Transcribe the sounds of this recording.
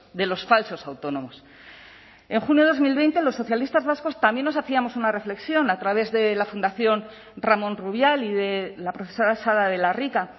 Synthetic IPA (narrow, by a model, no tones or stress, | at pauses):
d̪e̞lo̞sfalso̞sawt̪o̞nõ̞mo̞s | e̞ŋxunjo̞ðo̞zmilβe̞jnt̪e̞lo̞sːo̞θjalist̪azβasko̞st̪ambje̞nːos̬aθiamo̞sunare̞fle̞ksjo̞nat̪ɾaβ̞e̞zðe̞lafund̪aθjo̞n | ramõ̞nruβ̞jaliðe̞lapɾo̞θe̞so̞ɾasaðaðe̞larika